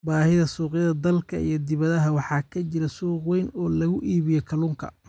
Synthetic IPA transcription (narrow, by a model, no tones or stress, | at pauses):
baːhɪðɐsuːqjɐðɐd̪ɐlkʰɐḭjɞd̪ɪβɐðɐɦɐwɑħɑːkʰɐt͡ʃɪɾɐsuːqwɛjnɔːlɐɣʊʔiːβɪjɔkʰɐluːŋkʰɐ̰